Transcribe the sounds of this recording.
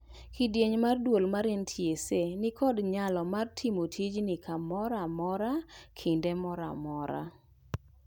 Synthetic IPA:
kidjeɲmardwolmaɾentʰjesenɪkɔdɲalɔmartʰimotʰid͡ʒnɪkʰamɔɾamɔɾakʰɪndɛmɔɾa̰mɔɾa̰

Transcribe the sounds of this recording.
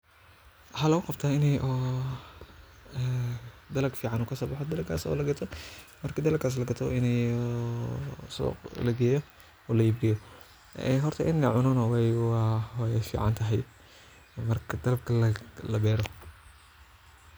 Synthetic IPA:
ħaːlɐɣʊqɑb̚t̪ʰaːɪnɛjʔɔː | d̪ɐlɐɡfiːʕɑnuːkʰɐsɔːbɑħɔd̪ɐlɐɡkʰa̰ːsɔ̰ːlɐɡɐt̪ʰɔmɐrkʰɐd̪ɐlɐkʰaːs̬lɐɡɐt̪ʰɔɪnɛjɔ | sɔ̰ːqlɐɡɛːjɔ | ɔːlɐib̚ɡɛːjɔ | ɛ̰ɦɔrt̪ʰɐʔɪnɛʕʊnɔnɔwɛj | ɛfḭːʕɑ̰nt̪ʰɐɦɛj | mɐrkʰɐd̪̥ɐlɐb̚kʰɐlɐlɐbɛːɾɔ

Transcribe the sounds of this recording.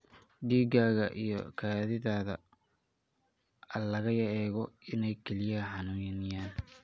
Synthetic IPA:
ɖiːɡaːɣɐ̰ʔijɞ̰kʰaːðɪðaːðɐ̰ | ɐlɐɣɐjɐɛːɣɔɪnɛjkʰɛlɪjɐħɑnuːjnɪjaːn

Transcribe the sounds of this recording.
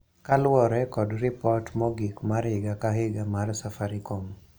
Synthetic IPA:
kalwɔɾɛkɔdrɪpɔtmɔɡikmaɾɪɡakaɦɪɡamarsafaɾikom

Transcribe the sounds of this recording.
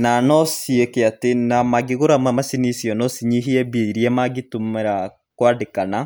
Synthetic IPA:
nanɔsiekeatenamaɡeɣoɾamamasinisjɔnɔsiɲiɦiɛbeiɾiɛmaɡitumɛɾa | kwadekana

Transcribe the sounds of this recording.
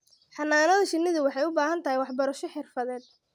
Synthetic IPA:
ħɑnːaːnɐðɐʃɪnːɪðʊwɑħɑjʊbaːɦɐnt̪ʰɐɦɪjwɑħbɐɾɐʃɔħɪrfɐðɛːd̪̥̚

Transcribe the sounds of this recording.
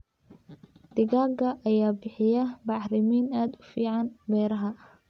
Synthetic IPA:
d̪̥ɪɣaːɡɐʔɐjaːbɪħɪjɐbɑʕɾɪmiːnaːd̪ʊfiːʕɑnbɛːɾɐɦɐ

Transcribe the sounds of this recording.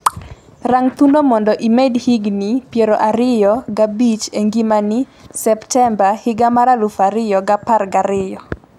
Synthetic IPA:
raŋt̪undomɔndɔʔimedhiɡnipjeɾoʔaɾɪjɔɡabit͡ʃeŋɡimanɪ | sɛptɛmbahɪɡamaɾalʊfaɾɪjɔɡaparɡaɾɪjɔ

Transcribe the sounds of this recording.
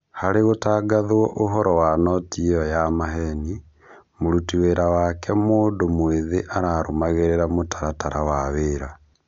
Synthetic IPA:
haɾeɣotaɡaðwɔʔoɦɔɾɔwanɔtiɔjamaɦɛni | moɾutiweɾawakʰɛmoːdomweðeʔaɾaɾomaɣeɾeɾamotʰaɾataɾawaβeɾa

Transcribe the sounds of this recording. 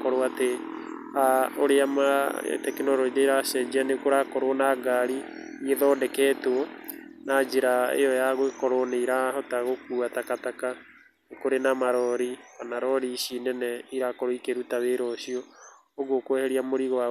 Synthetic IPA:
kɔɾoate | aoɾeama̰tɛkenɔɾɔiðeɾasɛd͡ʒianekoɾakɔɾwɔnaɡaɾi | nieðɔːdɛkɛːtwɔnad͡ʒeɾaḛjɔjaɣwekɔɾoneiɾahɔtaɣokuːatakataka | nekoɾenamaɾɔɾikanaɾɔɾiʃinɛnɛiɾakoɾoikeɾutaβeɾɔʃiɔː | ɣokwɛhɛɾiamoɾiɣwa

